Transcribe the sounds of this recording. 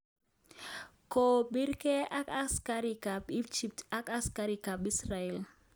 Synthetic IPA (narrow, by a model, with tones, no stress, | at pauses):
ko˨ɓi˦ɾke˦ʔa˦ka˦skaɾi˨ka˨pi˦d͡ʒi˨p̚ta˦ka˦skaɾika˨bi˦sraɛ˨l